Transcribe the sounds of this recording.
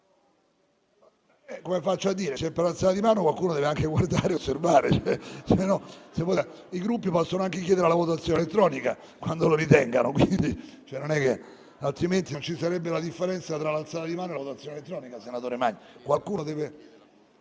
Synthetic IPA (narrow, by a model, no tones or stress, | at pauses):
ɛkːomefat͡ʃːoad̪ːiːɾet͡ʃɛpːeɾlalt̪salad̪imaːnokwalkuːnod̪ɛːveaŋkeɡward̪aːɾeosːervaːɾet͡ʃoɛsenːɔsevːɔ | iɡɾupːipɔsːonoaŋkek̬jɛːd̪eɾelavot̪at̪sːjonelet̪ːɾɔːnika | kwand̪oloɾit̪ɛŋɡa̰nokwind̪it͡ʃoɛnonɛkːe | alt̪ɾiment̪iont͡ʃisaɾɛbːelad̪ifːeɾɛnt̪sat̪ɾalalt̪saːlad̪imaːnoelavot̪at̪sjoːnelet̪ːɾɔːnikasenat̪oːɾemaɲːkwalkuːnod̪ɛːve